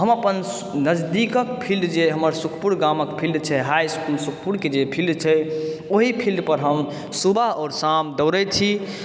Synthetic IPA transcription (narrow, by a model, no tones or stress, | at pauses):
ɦəməpən | nəd͡ʒd̪ikəkpʰilɖd͡ʒeɦəməɾsukʰpuɽɡaməkpʰilɖt͡ʃʰɛɦajskulsukʰpuɽked͡ʒepʰilɖ̪t͡ʃʰɛoɦipʰilɖpəɾɦəm | subaɦɔːɾsamd̪əʊɾɛt͡ʃʰi